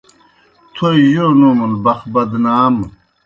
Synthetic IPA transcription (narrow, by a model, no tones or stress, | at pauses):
t̪ʰojonumulbɐxbɐd̪naːm